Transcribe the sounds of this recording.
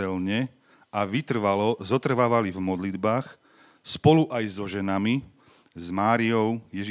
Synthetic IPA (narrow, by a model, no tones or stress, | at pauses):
ɛlɲɛ | ʔaʋit̪r̩ʋalɔzɔt̪r̩ʋaːʋalivmɔd̪lid̪baːx | spɔluʔajzɔʒɛnami | zmaːɾiɔʊjɛʒi